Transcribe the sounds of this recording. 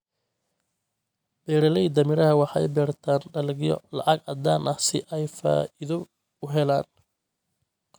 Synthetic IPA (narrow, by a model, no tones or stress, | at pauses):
b̥ɛːɾɐlɛid̪ɐmɪɾɐhɐwɑħɑjbɛːrt̪ʰaːnɖɐlɡɪjɔ̰lɑ̰ʕɑɡɐd̪aːnʔɐhsɪʔɛjfa̰ːɪðɔ | ʊɦɛlaːn